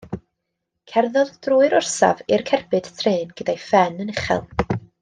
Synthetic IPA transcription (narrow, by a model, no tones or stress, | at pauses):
kʰɛrðɔðd̥ruːɨɾʊrsa̰vɪrkʰɛrbɨd̥tʰreːnɡ̥ədajfɛnənɪχɛ̰lˠ